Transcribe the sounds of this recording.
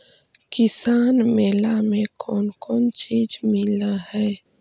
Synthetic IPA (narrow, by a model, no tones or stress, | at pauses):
kɪsaːnmeːlamẽkɔːnkɔːnt͡ʃiːd͡ʒmɪlahɛː